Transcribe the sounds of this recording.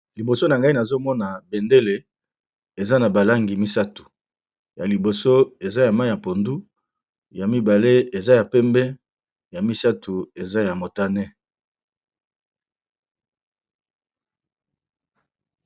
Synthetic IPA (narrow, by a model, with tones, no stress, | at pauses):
li˨bo˨so˦na˨ŋɡa˦i˦na˨zo˦mɔ˦na˨be˨nde˦le˨ | e˨za˦na˨ba˨la˦ŋɡi˨mi˦sa˦tu̥˨ | ja˨li˨bo˨so˦e˨za˦ja˨ma˦˨ja˨po˨ndu˦ | ja˨mi˦ba˨le˦e˨za˦ja˨pɛ˦mbɛ˦ | ja˨mi˦sa˦tʰu˨e˨za˦ja˨mo˨ta˦nɛ˦